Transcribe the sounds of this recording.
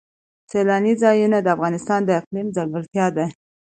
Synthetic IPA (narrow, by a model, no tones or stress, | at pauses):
selɑnizɑjunad̪əafɣɑnɪst̪ɑnd̪əɪqlimzalwəlt̪jɑd̪a